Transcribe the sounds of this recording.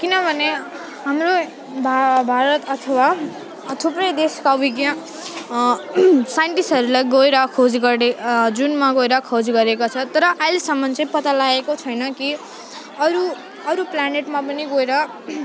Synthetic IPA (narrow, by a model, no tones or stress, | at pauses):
kinʌbʱʌne | ɦamɾo | bʱabʱaɾʌt̪ʌt̪ʰʌwa | t̪ʰuprʌjd̪eskabʱiɡjã | sajɳʈisɦʌɾulajɡoeɾʌkʰod͡zɡʌed͡zunmaɡoeɾʌkʰod͡zɡʌɾekot͡sʰʌt̪ʌɾʌʔajlsʌmːʌnt͡sʌ̃ĩpʌt̪alaekot͡sʰʌjnʌki | ʌɾu | ʌɾuplaneʈmapʌniɡoeɾʌ